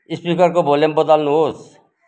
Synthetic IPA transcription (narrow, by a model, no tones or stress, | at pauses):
ispikʌɾkobʱolembʌd̪alnuɦoːs